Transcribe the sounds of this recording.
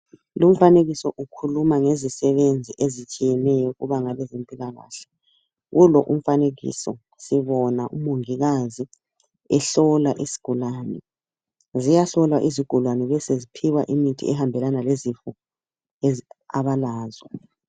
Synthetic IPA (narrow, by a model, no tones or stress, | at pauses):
lum̩faneɣisɔʔukʰulumaŋezisɛβend͡zʱiʔezit͡ʃʼijɛnɛjɔɣuβaŋalɛzempʼilaɣa̰ːɬɛ̥ | ɣulɔʔum̩faneɣḭsɔ̰ | siβɔnaʔumoŋiɣazi | ɛɬɔlaʔisi̥ɡ̥ʱulaːnɛ̰ | zijaɬɔlwaʔiziɡ̥ʱulwanɛβɛsezipʰiwaʔimitʰḭɛhambʱɛlanalezifɔ | aβalaːzwɛ